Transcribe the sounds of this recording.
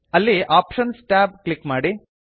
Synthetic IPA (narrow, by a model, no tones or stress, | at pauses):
ɐlːiʔaːpʃɐnsʈaːb̚klikmaːɽi